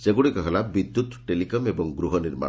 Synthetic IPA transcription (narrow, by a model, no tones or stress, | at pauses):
seɡuɽikɔɦelabid̪ːut̪ʈelikɔmebɔŋɡɾuɦɔniɾma̰